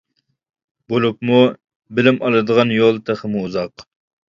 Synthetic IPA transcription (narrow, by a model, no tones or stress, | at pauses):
bolˠupmu | bɪlɪmʔɑlˠɨd̪əʁɑnjolˠt̪ʰæχəmuuzɑq